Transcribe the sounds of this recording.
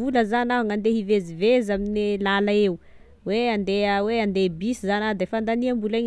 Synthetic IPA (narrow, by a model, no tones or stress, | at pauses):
uləzanaaŋand̪eɦivezivezaminelalaeu | weand̪eəweand̪ebisizanad̪efand̪aniambulaɲ